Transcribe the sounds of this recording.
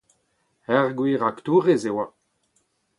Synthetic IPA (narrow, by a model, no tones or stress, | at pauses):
ɛʁɡwiːʁakt̪uːʁezewa